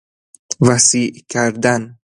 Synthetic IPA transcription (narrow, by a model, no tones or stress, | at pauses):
væsiːʔkʲʰæɾd̪æn